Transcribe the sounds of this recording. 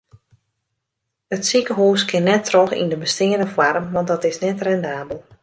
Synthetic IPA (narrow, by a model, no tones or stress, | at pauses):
ətsikəɦoːskʰɪnːɛtʰːrɔxḭndəbəstɪədəfwarmʋɑntdɔtɪsnɛtrɛndaːbəlˠ